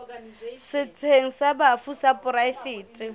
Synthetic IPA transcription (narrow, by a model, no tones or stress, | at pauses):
sɪt͡sʰʼeŋ̩sabafusapʼʊɾaɪfɪːtʼɪ